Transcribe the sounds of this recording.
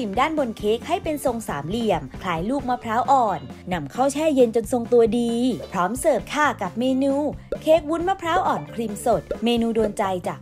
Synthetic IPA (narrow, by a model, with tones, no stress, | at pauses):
i˨˩mdaː˥˩nbo˧nkʰeː˦˥k̚ha˥˩jpe˧nso˧ŋsaː˩˦mli˧˩əmkʰlaː˨˧˦jluː˥˩k̚maː˧˥pʰɾaː˦˥wʔɔː˨˩nːa˧mkʰa˥˩wt͡ɕʰɛː˥˩je˧nt͡ɕo˧nso˧ŋt̪u˧ɐdiː˧pʰɾɔː˦˥msɤː˨˩p̚t̪ʰaː˧˩ka˨˩p̚meː˧nuː˧kʰeː˦˥k̚wu˦˥nma˦˥pʰɾaː˦˥wʔɔː˨˩nkʰɾi˧mso˨˩t̪̚meː˧nuː˧doː˧nt͡ɕa˧jt͡ɕaː˨˩k̚